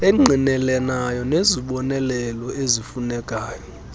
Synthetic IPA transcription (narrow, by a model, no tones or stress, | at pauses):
ɛŋ͡ǃʱinɛlɛnajɔneziɓɔnɛlɛlɔezifunɛkʼaːjɔ